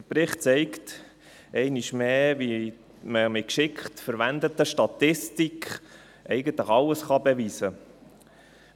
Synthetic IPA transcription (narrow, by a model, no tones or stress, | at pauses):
əpɾɪχt̚t͡sɛɪkt | ʔɛɪniʃmeːvi | məmɪkʃɪkχtfəɾʋænd̪ət̪əʃtɑt̪ɪstikχ | ʔɛɪɡənt̪ləχɑləsχɑbɛʋiːsə